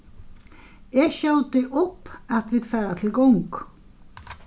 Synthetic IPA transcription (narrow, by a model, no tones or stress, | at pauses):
ɛʃœwt̪ɪʔʊpːat̪ʋid̪faːɾat̪ʰɪlɡɔŋk